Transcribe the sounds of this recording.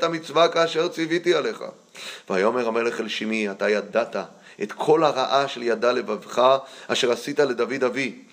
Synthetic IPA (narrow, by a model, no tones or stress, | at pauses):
t̪amit͡svakaːʃe̞ʁt͡sivit̪iale̞χa̰ | veajaome̞ʁame̞leχelʃimiat̪ajad̪at̪a | ʔet̪kʰo̞laʁaʔaʃe̞ljad̪ale̞vavχaaʃe̞ʁasit̪ale̞d̪avid̪avi